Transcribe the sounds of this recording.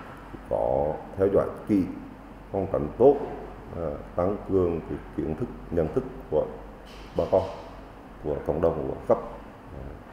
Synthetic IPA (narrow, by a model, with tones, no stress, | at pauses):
i˧kɔ˨˦t̪ʰɛ˧wza̰ː˧˨jkḭ˧˨ | fɔ˧wŋ͡mka̰˧˩jŋ̟t̪o˦˥t̚ | laː˨˩t̪a˧ŋkɨ˨˩əŋkə˨˦ki˧˩˦ənt̪ʰɨ˦˥k̚ɲə̰˧˨nt̪ʰɨ˦˥kːu˧˩ə | ɓaː˧kɔ˧ | ku˧˩əkə̰˧˨wŋ͡mɗə˨˩wŋ͡mkṵ˧˩əsa˦˥p̚ː